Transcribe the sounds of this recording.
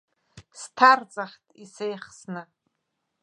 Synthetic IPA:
stʰart͡sʼaχtʰʼisejχsnɨ

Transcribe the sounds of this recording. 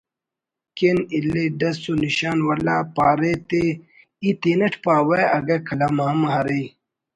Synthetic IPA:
kenilːeɖɐsuniɕaːnwɐla̰ːpaːɾet̪e | it̪eːnɐʈʰpaːwɐjɐɡɐkʰɐlamaːmɦɐɾi

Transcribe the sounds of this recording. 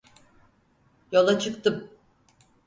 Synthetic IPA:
jo̞lˠat͡ʃʰɯkt̪ʰɯm

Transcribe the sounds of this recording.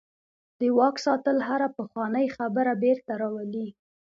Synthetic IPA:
d̪̥əwɑksɑt̪əlɦaɾapəxwɑnəjxabəɾabeɾt̪aɾɑwali

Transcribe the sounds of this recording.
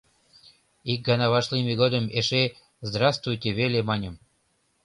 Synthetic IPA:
ik̚ɡɑnɑβɑʃlimʲeɣod̪əmeʃe | zd̪ɾɑst̪vujtʲeβelemɑnʲəm

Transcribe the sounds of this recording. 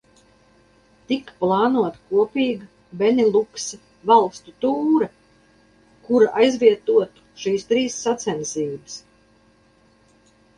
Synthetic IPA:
t̪ikplˠɑːnuɔt̪kuɔpʲiːɡɐ | bɛnʲilˠuksɐ | valˠst̪ut̪uːɾɐ | kuɾaʔajzvʲiɛt̪uɔt̪u̥ʃiːst̪ɾiːsːat̪sɛnsiːbɨs

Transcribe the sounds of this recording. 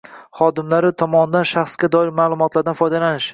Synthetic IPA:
χɒd̪ɪmlaɾɪt̪ʰɒmɒnd̪anʃaχsɡʲad̪ɒɪɾmaːlˠʊmɒt̪ʰlˠaɾd̪anfɒjd̪alanɪʃ

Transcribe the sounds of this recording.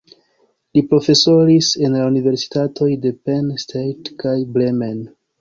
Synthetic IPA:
lipɾo̞fe̞so̞ɾise̞nlaunive̞ɾsi̥tatʰo̞jde̞penstʰejtkajblemen

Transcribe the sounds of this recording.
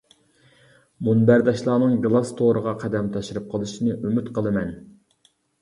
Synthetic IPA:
munbæɾd̪ɑʃlˠɑːnɨŋɡlˠɑst̪ʰoɾəʁɑqʰæd̪ɛmt̪ʰɑʃiɾɨp̚qʰəlˠɨʃinɨʔymyt̪qʰəlˠɨmɛn

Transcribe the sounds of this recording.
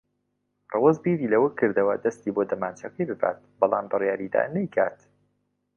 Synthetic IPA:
rˤɨwɐzbiːɾilɐwəkʰːɨɾd̪ɐwɐd̪ɐst̪iːboːd̪ɐmaːnt͡ʃʰɐkɐjbɨba̰ːt̪̚bɑlˠaːmbɨrjaːɾid̪a̰ːnɐjkʰaːt̪

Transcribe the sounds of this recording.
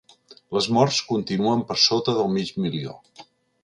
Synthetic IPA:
ləzmɔɾskunt̪inuəmpəɾsot̪əðəlˠmid͡ʒmilio̰

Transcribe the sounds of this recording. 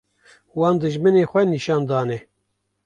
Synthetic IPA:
wɑːnd̪ɨʒmɨneːxʷɛniʃɑːnd̪ɑːnɛ

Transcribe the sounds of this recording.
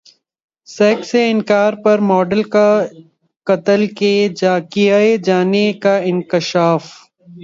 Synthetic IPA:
sɛːkseɪ̃ŋkaːɾpɐɾmɔːɖəlka | kɐt̪əlkekijaed͡ʒaːnekaɪnkɪʃaːf

